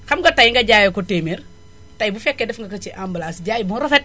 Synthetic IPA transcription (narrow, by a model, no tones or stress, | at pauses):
kɐmɡɐtɐjŋɡɐɟaːjɔkɔteːmer | tɐjbufɛkːɛdɛfŋɡɐkɐt͡ʃiʔambɐlasɟaːjbuɾɔfɛt̚